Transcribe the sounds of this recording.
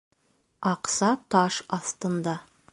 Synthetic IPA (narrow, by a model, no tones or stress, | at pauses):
ɑqsɑt̪ɑʃɑθt̪ɤnd̪ɑ